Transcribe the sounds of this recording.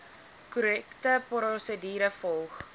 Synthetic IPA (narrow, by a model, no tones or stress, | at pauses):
kuɾɛktəprɾɔsədiːɾəfɔlˠχ